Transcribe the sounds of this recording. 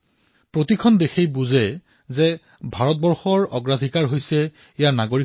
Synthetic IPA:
pɹotikʰɔndexejbuzɛ | zɛ | bʱaɹɔt̚bɔɹxɔɹɔɡɹadʱikaɹɦojsɛ | ijaɹnaɡoɹi

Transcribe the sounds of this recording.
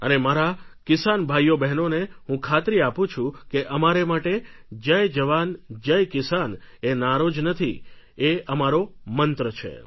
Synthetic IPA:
ənemaɾakɪsanbʱajːobɛɦnoneɦũkʰat̪ɾiapũt͡ʃʰũkeʔəmaɾemaʈed͡ʒəjd͡ʒəʋand͡ʒəjkɪsanenaɾod͡ʒnət̪ʰḭ | eəmaɾomənt̪ɾət͡ʃʰḛ

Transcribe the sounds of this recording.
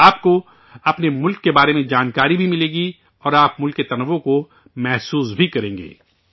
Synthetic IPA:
aːp̚ko | ɐpnemʊlkːebaːɾemẽd͡ʒaːnkaːɾibʱimɪlẽːɡi | ɔːɾaːpmʊlkːet̪ɐnəʋːõko | mɛɦsuːsbʱikɐɾẽːŋɡḛː

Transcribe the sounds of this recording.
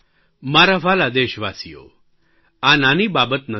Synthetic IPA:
maɾaʋalad̪eʃʋasijo̰ | ananibabət̪nə

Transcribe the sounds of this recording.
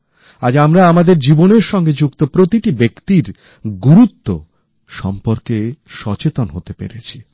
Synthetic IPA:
ad͡ʑamɾaamad̪eɾd͡ʑiboneɾʃɔŋɡed͡ʑukt̪opɾot̪iʈibekt̪iɾ | ɡuɾut̪ːo | ʃɔ̰mpoɾkeʃɔt͡ɕet̪onɦot̪epḛɾet͡ɕʰi̥

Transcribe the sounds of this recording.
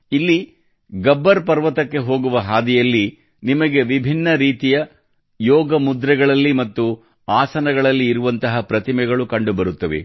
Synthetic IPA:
ilːi | ɡɐbːɐɾpɐɾʋɐt̪ɐkːe̞ɦo̞ːɡuʋɐɦaːd̪ɛjɐlːi | nimɐɡe̞ʋibʱinːɐɾiːt̪ijɐ | jɔːɡɐmud̪ɾɐɡɐɭɐlːimɐt̪ːu | aːsɐnɐɡɐɭɐlːiːɾuʋɐnt̪ɐɦɐpɾɐt̪imɛɡɐɭukɐɳɖubɐɾut̪ːɐʋḛ

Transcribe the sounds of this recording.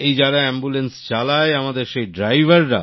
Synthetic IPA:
ejd͡ʑaɾaɛmbulenst͡ɕalaeamad̪eɾʃejɖɾajbʱaɾːa̰

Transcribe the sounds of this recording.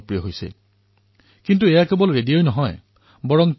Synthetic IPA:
pɹijɔɦojsḛ | kintuejakebɔlɹedijojnɔɦɔj | bɔɹɔm

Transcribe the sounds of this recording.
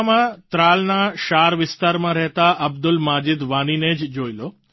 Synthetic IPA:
mãt̪ɾaːlnaʃaːɾʋɪst̪aːɾmãɾɛɦt̪aʔɐbd̪ʊlmaːd͡ʒɪd̪ʋaːnined͡ʒd͡ʒoːiloː

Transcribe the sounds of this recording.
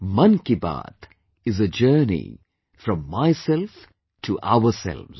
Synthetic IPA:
mʌ̃nkiba̰ːt̪ | ɪzəd͡ʒəːnḭ | fɾɔ̃mːaɪsɛlf | ʈʰuʔa̰ʊəsɛ̰lʋz̥

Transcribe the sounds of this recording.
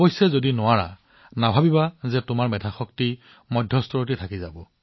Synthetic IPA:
bɔjsɛzodinʊwaɹa̰ | nabʱabibazɛtʊmaɹmɛdʱaxɔkti | mɔdʱjɔstɔɹot̬itʰakizabɔ

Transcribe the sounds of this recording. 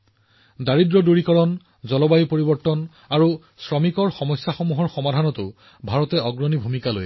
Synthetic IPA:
daɹidɹɔduɹikɔɹɔn | zɔlɔbajipoɹibɔɹtɔn | aɹu | sɹɔmikɔɹxɔmɔjsːaxɔmuɦɔɹxɔmadʱanɔtʊ | bʱaɹɔtɛɔɡɹɔnibʱumikalo̰j

